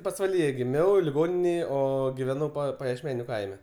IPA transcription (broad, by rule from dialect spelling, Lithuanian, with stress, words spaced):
pɐsʋɐˈlʲiːjɛ ɡʲɪˈmʲɛʊ lʲɪˈɡoːnʲɪnʲeːj ˈoː ɡʲɪˈʋʲæːnɐʊ pɐjiɛʃʲˈmʲæːnʲʊ ˈkɐɪmʲɛ